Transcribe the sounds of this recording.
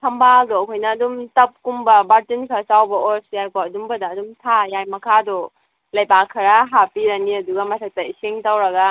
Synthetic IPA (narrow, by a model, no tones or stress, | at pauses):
sʰɐmbaɡɯokʰojnɐːdumtɐp̚kumbɐbaɾtinkʰasawbɐoɾsjajkʰoɐdumbɐdaːdumtʰajajmɐkʰadɔ | lɐjbakʰɐɾaɦapiɾaniɐduɡɐmatʰak̚taiseŋtawɾɐɡa